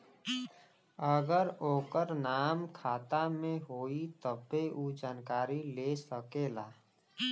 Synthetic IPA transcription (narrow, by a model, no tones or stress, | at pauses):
əɡəɾoːkəɾnaːmkʰaːt̪amẽɦoːit̪əbːeʔuːd͡ʒaːnkaːɾilesəkeːlaː